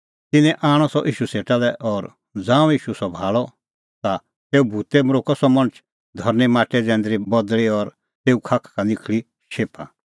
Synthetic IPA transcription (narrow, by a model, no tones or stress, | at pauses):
t̪ɪnɛ̃ʔaːɽ̃ɔsɔ̰ʔiːʃuseːʈalɛʔɔːɾ | d͡zãːũiːʃusɔbʱaːɭɔ | t̪a | t̪eːubʱuːt̪ɛmɾoːkɔsɔmɐ̃ñət͡ʃʰ | d̪ʱɔɾnemaːʈɛd͡zɛ̃ːnd̪ɾibɔd̪ɭiɔɾ | t̪eːukʰakʰkanɪkʰɭi | ʃeːpʰa̰